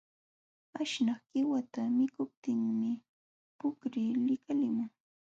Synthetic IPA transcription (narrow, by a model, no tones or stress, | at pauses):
aʃnɑχɢ̥ɪwat̪amɪkʊp̚t̪ɪŋmɪ | pʊkɾɪlɪkalɪmʊŋ